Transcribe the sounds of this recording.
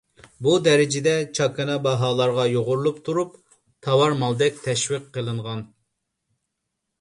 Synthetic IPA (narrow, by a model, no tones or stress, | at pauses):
bud̪ɛɾɪd͡ʒɪd̪ɛt͡ʃʰɑkɑnɑbɑɦɑːlˠɑɾʁɑjoʁʊɾlˠupt̪ʰuɾup̚ | t̪ʰɑwɑɾmɑlˠd̪ɛk̚ʲt̪ʰɛʃwiqːəlˠɨɴʁɑn